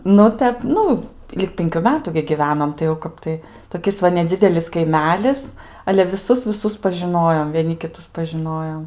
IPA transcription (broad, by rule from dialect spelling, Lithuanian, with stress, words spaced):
ˈnʊ ˈtʲɛp ˈnʊ ˈlʲɪk ˈpʲɪŋʲkʲʊ ˈmʲæːtʊ ɡʲɪ ɡʲɪʋʲɛnoːm tɐɪ jɛʊ ˈkɐp tɐɪ toːˈkʲɪs ʋɐ nʲɛˈd͡zʲɪdʲɛlʲɪs kɐɪˈmʲæːlʲɪs ɐlʲɛ ʋʲɪˈsʊs ʋʲɪˈsʊs pɐʒʲɪˈnoːjoːm ʋʲiɛˈnʲɪ kʲɪˈtʊs pɐʒʲɪˈnoːjoːm